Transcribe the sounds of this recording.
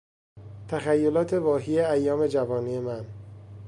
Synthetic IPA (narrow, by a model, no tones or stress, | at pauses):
t̪ʰæxæjːo̞lɒːt̪ʰe̞vɒːɦiːeæjːɒːme̞d͡ʒævɒːniːe̞mæn